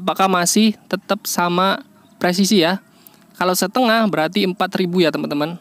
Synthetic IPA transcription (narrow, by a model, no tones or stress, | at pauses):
ap̬akahmasɪht̪ət̪əp̚sama | pɾes̬isija | kalawsət̪əŋahbəɾart̪iəmpat̪ɾibujat̪əmənt̪əmən